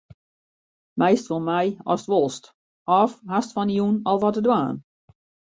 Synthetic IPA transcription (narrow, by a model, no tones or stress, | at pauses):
mɛjstʋɔlˠmajɔ̰stʋɔlˠst | ɔfɦastfɔnijunɔlˠʋɔtədwaːn